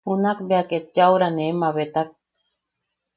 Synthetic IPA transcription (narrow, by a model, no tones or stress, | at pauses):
hunakbeaket̪̚d͡ʒawɾanemaβet̪ak̚